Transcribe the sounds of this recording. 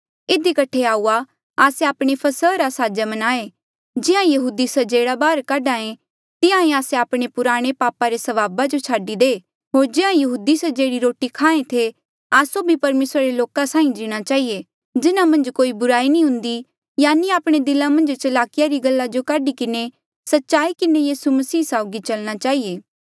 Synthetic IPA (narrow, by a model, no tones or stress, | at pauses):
ɪd̪ikɐʈʰeaːua | aːseaːpɽ̃epʰɐsəɾasaːd͡ʒamɐnaːe | d͡ʒɪãjɐɦuːd̪isɐd͡ʒeːɽabaːɾkaːɖãːẽ | t̪ɪãĩaːseaːpɽ̃epʊɾaːɽ̃epaːpaɾesɐʋaːbad͡ʒot͡ʃʰaːɖid̪eː | ɦoːɾd͡ʒɪãjɐɦuːd̪isɐd͡ʒeːɽiɾoːʈikʰãːẽt̪ʰe | aːsobʱipɐɾmeːsɾaɾeloːkasaːĩd͡ʒiːɽ̃at͡ʃaːɦije | d͡ʒɪnamɐ̃nd͡ʒkoːibʊɾaːinĩɦʊ̃nd̪i | jaːniaːpɽ̃ed̪ɪlamɐ̃nd͡ʒt͡ʃɐlaːkɪjaɾiɡɐlːad͡ʒokaːɖikɪne | sɐtːʃaːikɪnejiːsumɐsiːsaːʊɡit͡ʃɐlñat͡ʃaːɦijeː